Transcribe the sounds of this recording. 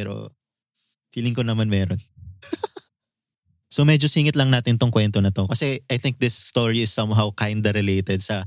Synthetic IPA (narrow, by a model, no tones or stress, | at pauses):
ɛɾo̰ | fiːlɪŋkonɐmanmɛːɾon | somɛd͡ʒosiːŋɪt̪lɐŋnaːt̪ɪnt̪oŋkwɛnt̪onɐt̪o̞kɐsɛʔajθɪ̃ŋk̚d̪ɪsːt̪oɹiɪsːɐ̃mɦawkajnd̪ɐɾɪlejt̪ɛd̪̚sɐ